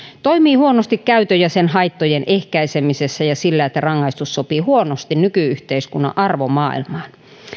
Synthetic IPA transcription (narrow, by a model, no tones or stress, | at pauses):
t̪oimiːhuonost̪ikkæyt̪øjæsenhɑit̪ːojenʔehkæisemisesːæjɑsilːæet̪ːærɑŋːɑist̪ussopiːhuonost̪innykyyht̪eiskunːɑ̰ʔɑrʋomɑ̰ːḭlmɑːn